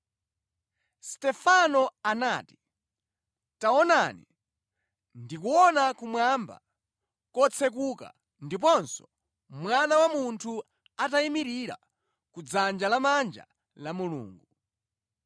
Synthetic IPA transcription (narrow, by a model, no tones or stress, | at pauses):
stɛfanɔanaːti̥ | taɔnanḭ | ndikuɔnakumwamba̰ | kɔt͡sʰɛk̬uka̰ | ndip̬ɔnsɔ̥ | mwanawamuntʰu | ataimiɾiɾa̰ | kud͡zand͡ʒalamand͡ʒa̰ | lamulṵːŋɡu